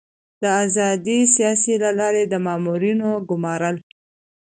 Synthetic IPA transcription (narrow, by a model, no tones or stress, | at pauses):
d̪̥əazɑd̪isijɑsilalɑɾed̪əmɑmuɾinoɡʊmɑɾəl